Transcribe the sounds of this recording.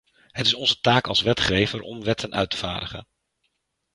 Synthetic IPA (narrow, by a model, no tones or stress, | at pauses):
ɦətɪsɔnzətaːkɑlˠsʋɛtχejvəɹɔ̰mʋɛtʰənʔœ̰ɥtə̥va̰ːdəχə̰n